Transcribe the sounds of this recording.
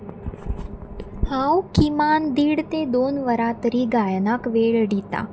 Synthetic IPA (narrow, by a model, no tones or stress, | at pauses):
hãwkimand̪iːɽt̪ed̪onʋəɾat̪ɾiːɡajnakʋeɭɖit̪a̰